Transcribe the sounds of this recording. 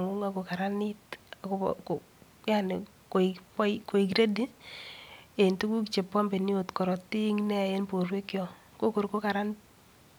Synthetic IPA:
ŋu˦ŋa˨ko˨ka˨ɾa˦ni˦takoko˨ | ja˦ne˨ | ko˨piko˨i˨k̬iɾe˦di˦ | e˨ntu˦ku˦kt͡ʃe˨pa˦mbe˨ni˦o˨tkɔ˨ɾɔ˨ti˦ŋne˦a˨je˦npo˨rwe˦kjɔ˨ | ko˦ko˨ɾko˦ka˨ɾa˦n

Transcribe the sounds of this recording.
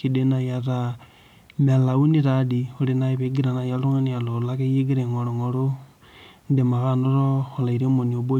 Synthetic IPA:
ki˨de˦na˨ja˨ɾa˨ | me˨la˨u˦ni˦ɾa˨˦di˨o˨˦ɾe˨na˦i˨βe˨˦ɡi˦ɾa˨na˨ja˦lu˦ŋe˦ni˦a˨lo˨la˦ke˦ji˦ɡi˦ɾe˨ŋo˨ɾo˨ŋo˨ɾo˦ | nde˨ma˨ɣa˦˨no˦ɾo˦ho˨la˨i˨ɾe˦mo˨ni˨o˨bo˦

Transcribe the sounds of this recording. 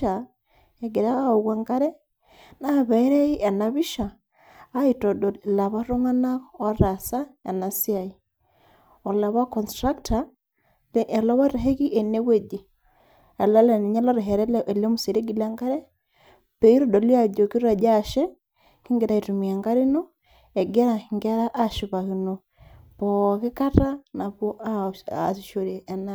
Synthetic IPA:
a | e˨ɡe˨ɾa˦au˨ɣwa˨ŋɡa˦ɾe˦ | na˦˨βɛ˨˦ɾe˦i˦ʔa˨na˨βi˦ʃaː˨˦ | i˨tɔ˨dɔla˨βa˦ɾo˦ŋa˦na˦ɔ˨ɾa˨sa˦ja̰˨na˨si˦a˨i˨ | ɔ˨la˨βa˦kɔ˨nstɾa˦kta | lʔa˨la˦βa˦ɾeɦe˦ɣi˦ʔe˨ne˦we˦di˨ | ɛ˨la˦lɛ˨ni˨ɲa˦lɔ˦ɾɛ˨ɦɛ˨ɾɛ˦lɛʔɛ˨le˦mu˨se˨ɾe˦ɡi˨la˦ŋɡa˦ɾɛ˦ | pɛ˨i˦ɾɔ˦dɔ˨li˦a˨d͡ʒo˨ki˦ɾa˨d͡ʒa˦ʃɛ˦ | ki˦ŋɡe˨ɾa˨i˨tu˨mi˨a˨ŋɡa˦ɾi˦no˦ | ɛ˨ɡɛ˦ɾa˨ŋɡa˦ɾa˦ʔa˦ʃu˨βa˨ɣi˨no˨ | pɔ˨ke˦ka˦ta˦na˨βɔ˦ʔa˦a˨si˨ʃo˨ɾe˨ʔːna˦

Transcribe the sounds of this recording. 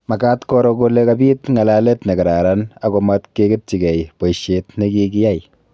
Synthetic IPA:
ma˨ka˦tkɔ˦ɾɔ˧ko˦le˦kabiː˦tŋa˨la˦le˦tne˨ka˨ɾa˨ɾa˦na˦ko˨ma˦tke˦ke˦t̚t͡ʃi˨kɛ˨jpo˨iʃe˨tne˦ki˦ki˦ja˦j

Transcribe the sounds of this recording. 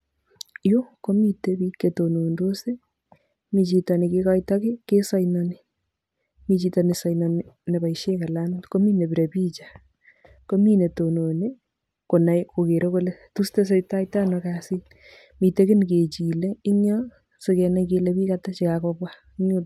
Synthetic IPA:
jo˦ko˦mitebi˦ke˨tono˨ndo˦se˦ | mi˨t͡ʃi˨tɔ˨ni˨ke˦kɔjtɔ˦kɪ˦ke˦sɔ˦jnɔ˨ni | mi˨t͡ʃi˨tɔnisɔ˨jnɔ˨nine˨ba˨iʃe˦ka˨la˦no˦tko˦mi˦ne˨bi˨ɾe˨piː˦t͡ʃḁ | ko˦mi˦ne˨to˨no˨ni˦ | ko˨na˨jko˨ke˨ɾo˦ko˦le˦tuste˦s̬ejta˦jtanɔkasi˦ | mi˨te˦kɪ˦nke˨t͡ʃi˨lei˦ɲɔ | so˧ke˨na˦ke˦lebi˦kata˦t͡ʃi˨kakɔbwa | iɲo˦

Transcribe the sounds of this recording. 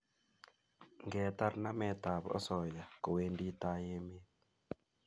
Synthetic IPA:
ŋɡɛ˨ta˦ɾna˦mɛ˨ta˨βɔ̰˦sɔ˨ja˨ko˨we˦ndi˦ta˦je˦me˦

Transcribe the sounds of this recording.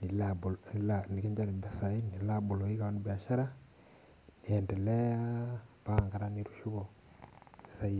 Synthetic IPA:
ni˨labullani˨ki˦ɲd͡ʒa˦ɾi˨mbe˦sa˨i˦ni˨la˦bu˨lo˨i˦ka˨anu˦bi˨a˨ʃa˦ɾa˦ | ni˨e˨nde˨le˦a˦baŋɡa˨ɾa˦ni˦ɾu˨ʃu˦βo˨ | i˨sa˦i

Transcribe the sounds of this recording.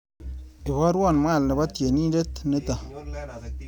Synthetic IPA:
e˨bɔ˦ɾwɔ˦˨nmʷa˦˨lne˨ba˦tje˨ni˦de˦tne˦ta˨

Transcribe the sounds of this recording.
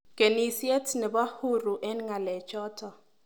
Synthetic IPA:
ɡ̥e˨ni˦si˦ɛ˦tʰnɛ˨ba˦hu˦˨ru˨ʔɛ˦nŋa˨lɛ˨t͡ʃʰʼɔː˦tʰɔ˨

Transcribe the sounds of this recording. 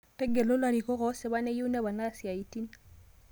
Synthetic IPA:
tɛ˦ɡɛ˨lʊ˦la˨ɾi˨kɔ˦ɣɔ˨˦sɪ˨ba˦nɛ˦ju˦nɛ˦ba˨na˦si˨a˨i˨ti˦n

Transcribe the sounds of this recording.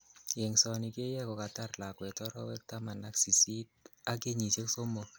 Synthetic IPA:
jɛ˨ŋsɔ˨ni˨ke˦jɛ˦kɔ˨ka˨ta˦rla˨kwɛ˨tɔ˦ɾɔ̰˦wɛ˦k̚ta˦ma˨na˦ksi˨si˦t̚a˦ke˦ɲi˨se˦kso˦mɔ˨

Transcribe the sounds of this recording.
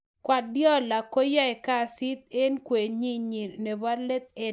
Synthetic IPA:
kwa˨djɔ˦la˨ko˦ja˦ɛ˨ka˦˨si˦t̪̚e˦nkwe˨ɲi˦ɲi˨ne˨ba˦le˦t̪̚e˦

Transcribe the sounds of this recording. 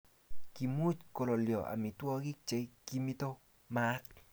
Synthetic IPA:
ki˧mu˦t͡ʃko˧lo˨ljo˨a̰˨mi˨t̪wo˦ɡi˦k̚t͡ʃe˧jki˧mi˦t̪o˦ | ma˦t̚

